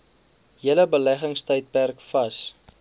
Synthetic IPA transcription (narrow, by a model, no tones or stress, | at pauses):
ɦiələbəlæχəŋstəjt̚pærkfɐs